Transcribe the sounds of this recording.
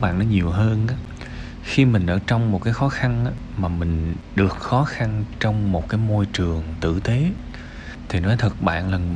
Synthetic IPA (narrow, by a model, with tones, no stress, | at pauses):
ɓa̰ː˧˨nːɔ˨˦ɲi˨˩əwɦəː˧nʔaː˨˦ | xi˧mï̟˨˩ʔə̰ː˧˩t͡ɕɔ˧wŋ͡mmo˨˩t̚kaː˨˦jxɔ˨˦xa˧nʔaː˨˦ | maː˨˩mï˨˩ŋ̟ɗɨ˨˩ək̚xɔ˨˦xa˧nt͡ɕɔ˧wŋ͡mmo˨˩t̚kaː˨˦jmo˧jt͡ɕɨ˨˩əŋt̪ɨ̰˧˨t̪e˨˦ | t̪ʰi˨˩nɔ˨˦jt̪ʰə˨˩t̚ɓa̰ː˧˨nlaː˨˩